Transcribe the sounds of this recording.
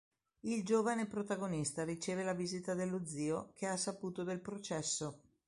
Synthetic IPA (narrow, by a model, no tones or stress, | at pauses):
ild͡ʒoːvanepɾot̪aɡonist̪aɾit͡ʃeːvelaviːzit̪ad̪elːod̪zːiːokʰeasːapuːt̪od̪elpɾot͡ʃɛsːo